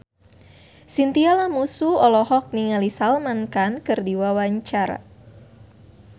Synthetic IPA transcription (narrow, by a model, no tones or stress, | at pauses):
sint̪ialamusuɔlɔhɔk̚niŋalisalmankankɨrdiwawaɲt͡ʃaɾa̰